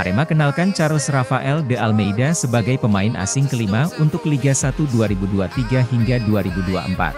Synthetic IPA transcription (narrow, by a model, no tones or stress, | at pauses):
aɾemakənalkant͡ʃaɾʊsrafaʔɛldəʔalmejdasəbaɡajpəmaɪnʔa̰sɪŋkəlimaunt̪ʊk̚liɡasat̪uduaɾibuduat̪iɡaɦiŋɡaduaɾibudua̰ʔəmpa̰t̪̚